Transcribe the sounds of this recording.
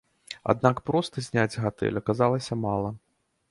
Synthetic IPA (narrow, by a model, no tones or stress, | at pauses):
a̰d̪̚nakpɾɔst̪ɐzʲnʲad͡zʲɣat̪ɛ̰lʲɐkazalˠɐsʲɐmalˠɐ